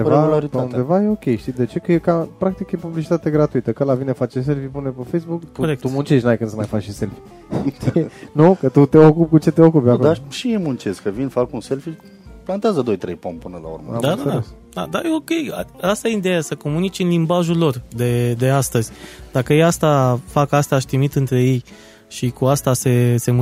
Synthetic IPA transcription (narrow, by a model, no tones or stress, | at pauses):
und̪evalaɾipund̪e̞vajeo̞kʲe̞jʃt̪id̪e̞t͡ʃe̞kəjekapɾak̚t̪ikjepublit͡ʃi̥t̪at̪eɡɾat̪uit̪əkəlavinefat͡ʃes̬e̞lfipunepefejsbukt̪uoɾek̚t̪umunt͡ʃeʃʲnuajkɨnsəmajfat͡ʃiselfi | t̪inukət̪ut̪eokupkut͡ʃe̞t̪eokupjakoaʃiemunt͡ʃezkəvinfakunse̞lfi | plant̪eazəd̪o̞jt̪ɾejpompɨnəla̰ṵrmə̰ad̪aaad̪aes | d̪a̰d̪ajeo̞kʲe̞ja̰ast̪ajeid̪e̞jasəko̞munit͡ʃʲɨnlimbaʒulo̞rd̪e̞d̪e̞ast̪əzʲd̪̥akəjejast̪afakast̪aaʃt̪ɾimit̪ɨnt̪ɾe̞je̞j | ʃikuast̪ase̞se̞mu